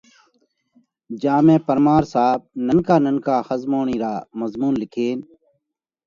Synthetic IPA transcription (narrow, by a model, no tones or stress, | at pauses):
d͡ʒãːmẽːpəɾmaːɾsaːb̚nənkaːnənkaːxəzmoːɳiːɾaːməzmuːnlɪkʰeːn